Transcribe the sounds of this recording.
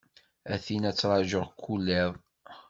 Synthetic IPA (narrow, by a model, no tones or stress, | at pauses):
æθinæt͡sːɾˤɑʒəʁkːulːæðˤ